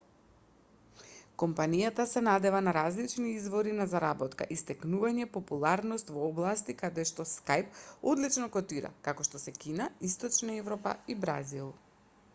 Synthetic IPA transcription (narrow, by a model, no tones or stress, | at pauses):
kɔmpanijat̪asɛnad̪ɛvanaɾazlit͡ʃniizvɔɾinazaɾabɔt̪ka̰ʔist̪ɛknuvaɲɛpɔpulˠaɾnɔst̪vɔːblˠast̪ikad̪ɛʃt̪ɔskajpɔd̪lit͡ʃnɔkɔt̪iɾa̰kakɔʃt̪ɔsɛkinaist̪ɔt͡ʃnaɛvɾɔpa̰ibɾazilˠ